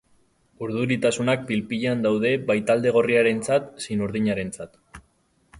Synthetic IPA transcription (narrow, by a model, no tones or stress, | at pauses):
uɾðuɾit̪asunak̚bilpiʎeand̪awð̞e̞βajt̪ald̪e̞ɣ̞o̞riaɾe̞nt͡sat̪sinuɾðiɲaɾe̞nt͡sat̪